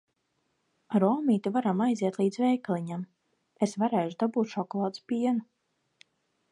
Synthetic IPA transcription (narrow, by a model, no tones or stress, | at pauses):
ɾɔːmiːt̪ivaɾamajziɛt̪lˠiːd̪zvɛjklʲˠiɲam | esvaɾeːʒud̪abuːt̪ʃɔkɔlˠaːt̪spʲiɛnu